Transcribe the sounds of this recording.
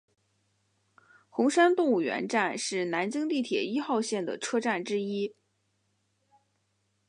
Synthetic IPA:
xʊ˧˥ŋʂa˥nt̪ʊ˥˧ŋu˥˩ɥɛ̰˧˥nʈ͡ʂa˥˧nʂɻ̩˥˩na˧˥nt͡ɕi˥ŋt̪i˥˩t̪ʰjɛ˨˩i˥xɑ˥˧ʊɕjɛ˥˩nd̪ə̰˩ʈ͡ʂʰɤ˥ʈ͡ʂa˥˩nʈ͡ʂɻ̩˥i˥

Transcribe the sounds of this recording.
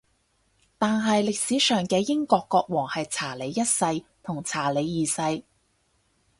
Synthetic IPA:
t̪aː˨nɦɐ˨jlɪ˨k̚siː˨˥sœː˨˩ŋkɛː˧jɪ˥ŋkɔː˧kːɔː˧k̚wɔː˨˩ŋhɐ˨jt͡sʰaː˨˩le˨˧jːɐ˥t̚sɐ˧jt̪ʰʊ˨˩ŋt͡sʰaː˨˩le˨˧jːiː˨sɐ˧j

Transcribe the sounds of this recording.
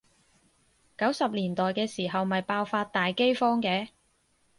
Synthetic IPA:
kɐ˨˥wsɐ˨p̚liː˨˩nt̪ɔː˨jkɛː˧siː˨˩ɦɐ˨wmɐ˨jpaː˧wfaː˧t̚t̪aː˨jke˥jfɔː˥ŋkɛː˨˧

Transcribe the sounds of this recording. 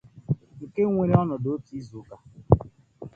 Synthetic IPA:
ŋ̩˨ke˦ŋʷe˨ɾe˦ɔ˦nɔ˨do˨˦o˦ti˦zo˨˦ka˦

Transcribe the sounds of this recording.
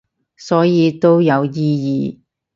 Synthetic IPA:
sɔː˨˥jiː˨˧t̪o˥wjɐ˨˧wjiː˥jḭː˨˧

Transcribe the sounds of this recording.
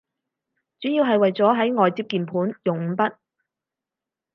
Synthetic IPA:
t͡syː˨˥jiː˧wɦɐ˨jwɐ˨jt͡sɔː˨˥ɦɐ˨˥jŋɔː˨jt͡siː˧p̚kiː˨˩npʰuː˨˥njʊ˨˩ŋ̩˨˧˥pɐ˥t̚

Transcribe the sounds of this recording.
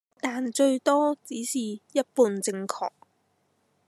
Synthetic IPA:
t̪aː˨nt͡ʃɵ˧ɥt̪ɔː˥t͡siː˨˥siː˨˩jɐ˥t̚puː˧nt͡sɪ˧ŋkʰɔ̰ː˨˩k̚

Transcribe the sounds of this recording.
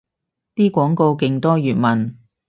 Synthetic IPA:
t̪iː˥kʷɔː˨˥ŋko˧wkɪ˧ŋt̪ɔː˥jyː˨t̚mɐ˨˩n

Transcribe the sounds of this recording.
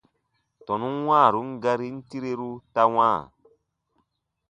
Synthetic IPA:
tɔ˨nu˦n˦wãː˦˨ɾu˨˦ŋ̩˦ɡa˧ɾi˦n̩˦ti˦ɾe˦ɾu˦ta˧wãː˦˨

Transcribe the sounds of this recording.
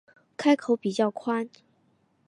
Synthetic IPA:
kʰa˥ɪkʰo˨˧˥ʊpi˨˩t͡ɕjɑ˥˩ʊkʰwa˥n

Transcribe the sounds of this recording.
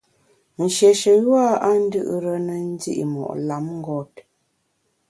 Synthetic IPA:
n̩˨ʃɛ˨ʃə˨jwa˦a˦n̩˦dɨ˦ʔɾə˦nə˨n̩˦dḭ˦ʔḭ˨mɔ̰˨ʔla˨˦mŋ̩˦ɡɔ˦t̚

